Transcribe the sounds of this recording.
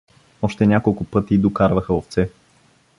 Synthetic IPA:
ɔʃt̪ɛnʲakolˠkʊpɤt̪id̪okaɾvəxəoft̪sɛ

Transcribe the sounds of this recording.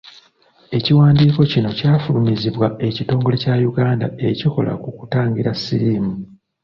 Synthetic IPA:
e̞ciwaːndiːko̞cino̞caːfulumiziβwae̞cito̞ːŋɡo̞le̞cajuɡaːnda̰e̞ciko̞̰lʔa̰kukutaːŋɡiɾasiɾiːmu

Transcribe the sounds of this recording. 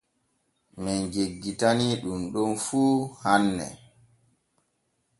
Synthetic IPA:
mɛnd͡ʒeɡːitaniɗumɗɔnfuːhanːɛ̰

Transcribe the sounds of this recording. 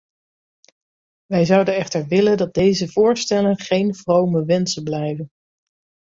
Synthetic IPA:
ʋɛjzɑwdənɛχtəɹʋɪləndɑt̚dejzəvʊːɹstɛlənχejnv̥rowməʋɛnsənblɛjvən

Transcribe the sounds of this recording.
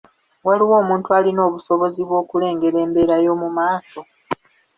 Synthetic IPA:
waliwo̞ːmuːntualino̞ːβuso̞βo̞ziβwo̞ːkule̞ːŋɡe̞ɾe̞ːmbe̞ːɾajo̞ːmumaːso̞

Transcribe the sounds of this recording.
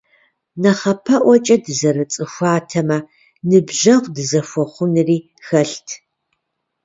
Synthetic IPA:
nɐχɐpʰɐʔʷɔt͡ʃʼɐdɨzɐrɨt͡sʼɨxʷɑaːtʰɐmɐ | nɨbʒɐʁʷdɨzɐfʷɔχʷʊnɨriː | xɐɬtʰ

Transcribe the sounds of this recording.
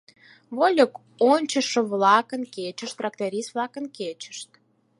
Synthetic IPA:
βolʲok | onʲt͡ɕəʃə̆βlɑkə̆nket͡ɕəʃt̪ːrɑkt̪eɾʲisvlˠɑkənket͡ɕə̥ʃt̪

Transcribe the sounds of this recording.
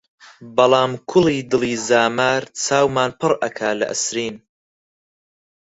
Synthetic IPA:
bɐlˠɑːmkʰʊliːd̪ɨliːzaːmaːɾt͡sʰaːwmaːnpʰɨrʔɐkʰaːlɐ̰ʔɨ̰sɾiːn

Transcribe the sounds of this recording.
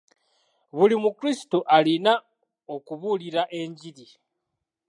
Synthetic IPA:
βulimukɾisi̥toʔalina | o̞kuβuːliɾaʔe̞ɲɟiɾi

